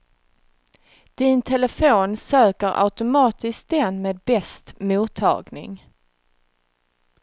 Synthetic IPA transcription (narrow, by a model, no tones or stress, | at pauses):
d̪̥ɪnt̪ʰɛləfoːnsøːkəɾʔa̰ʊt̪ʊmɑːt̪ɪsk̚d̪ɛnmeːd̪̚bɛst̪muːt̪ʰːɑ̰ːɡnɪ̰ŋ